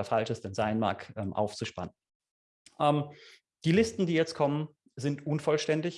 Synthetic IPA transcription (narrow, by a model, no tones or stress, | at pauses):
afalʃəsd̥ɛnzaɪnma̰ːkʰʔɛːmʔa̰ʊft͡suʃpa̰nən | ʔɛːm | d̥iːlɪstn̩diːjɛt͡st̚kʰɔmən | zɪntʔʊnfɔlʃtɛndɪç